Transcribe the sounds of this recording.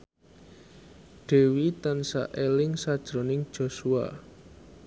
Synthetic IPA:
ɖ̥e̤wit̪ansa̰ʔelɪŋsad̥ʒ̥ɾo̤nɪŋ̥ʒ̥o̤sua̰

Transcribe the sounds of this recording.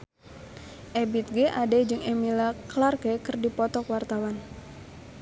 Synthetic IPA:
ʔɛbit̪̚ɡɛʔadɛd͡ʒɨŋɛmilaklarkɛkɨrdipɔt̪ɔkwart̪awan

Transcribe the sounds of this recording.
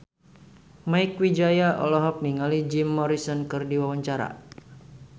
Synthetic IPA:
majkwid͡ʒajaʔɔ̰lɔɦɔk̚niŋalid͡ʒimːɔɾisɔnkɨrdiwawaɲt͡ʃaɾa̰

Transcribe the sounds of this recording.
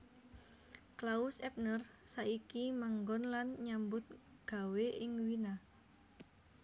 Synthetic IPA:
klaʊsɛp̚nərsaʔikimaŋɡɔnlanɲambʊt̪̚ɡ̥a̤weʔɪŋwina

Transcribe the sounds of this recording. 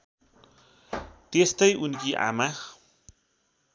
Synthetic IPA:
t̪est̪ajʔunkiʔa̰max

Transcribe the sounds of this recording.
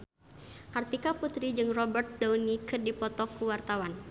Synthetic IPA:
kart̪ikaput̪ɾid͡ʒɨŋrɔbərt̪̚dawnikɨrdipɔt̪ɔkuwart̪awan

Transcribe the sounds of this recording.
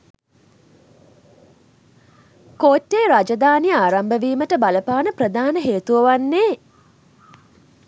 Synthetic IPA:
koːʈːeːɾad͡ʒad̪aːnijəaːɾambəʋiːməʈəbaləpaːnəprəd̪aːnəɦeːt̪uʋəʋanːeː

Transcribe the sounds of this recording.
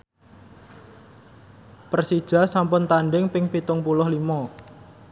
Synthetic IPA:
pərsid̥ʒ̥a̤sampʊnt̪anɖɪŋpɪŋpit̪ʊŋpulʊhlimɔ

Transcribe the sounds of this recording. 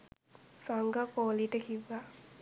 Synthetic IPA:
saŋɡakoːliʈəkiʋːa

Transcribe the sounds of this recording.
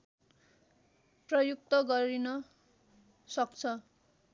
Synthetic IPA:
prʌjuk̚t̪ʌɡʌɾinʌ | sʌkt͡sʰʌ

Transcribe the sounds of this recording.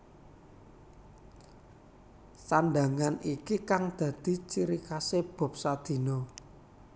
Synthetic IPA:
sanɖ̪a̤ŋanʔikikaŋd̪̥ä̤d̪̥i̤t͡ʃiɾikaseb̥ɔ̤p̚sad̪̥i̤no

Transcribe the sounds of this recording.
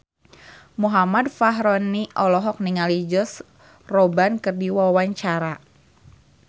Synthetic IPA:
muɦamadfaɦɾɔniʔɔlɔɦɔk̚niŋalid͡ʒɔs | rɔbankɨrdiwawaɲt͡ʃaɾa

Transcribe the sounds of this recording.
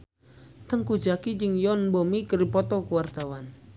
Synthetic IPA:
t̪əŋkud͡ʒakid͡ʒɨŋjɔnbɔmikəɾipɔt̪ɔkuwart̪awan

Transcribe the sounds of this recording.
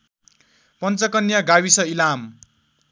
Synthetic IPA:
pʌnt͡sʌkʌnjaɡawisʌilam

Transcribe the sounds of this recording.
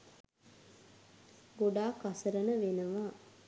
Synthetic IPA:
ɡoɖaːkasəɾənəʋenəʋaː

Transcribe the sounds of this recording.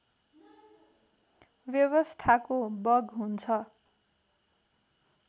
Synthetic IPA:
bjʌβʌst̪ʰakobʌɡɦunt͡sʰʌ

